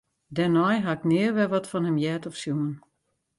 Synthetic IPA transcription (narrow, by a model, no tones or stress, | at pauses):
dɛnɔjɦaɪknɪərʋɛʋɔtfɔnhəmjɛːtɔfsjuən